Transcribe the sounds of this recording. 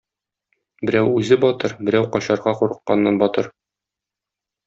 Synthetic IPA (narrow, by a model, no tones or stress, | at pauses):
bɘ̆ɾæwʉzɘbɒt̪ɤɾbɘ̆ɾæwqɒɕɑɾʁɑquɾɤ̆qːɑnːɑnbɒt̪ɤɾ